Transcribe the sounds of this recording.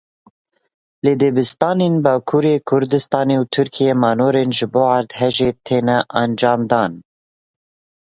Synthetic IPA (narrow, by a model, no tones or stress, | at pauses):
leːd̪eːbɨst̪ɑːneːnbɑːkʰuːɾeːkʰʊɾd̪ɨst̪ɑːneːwt̪ʰɨɾkʰijemɑːnoːɾeːnʒɨboːɑɾd̪ɦɛʒeːt̪ʰeːnɛʔɛnd͡ʒɑːmd̪ɑːn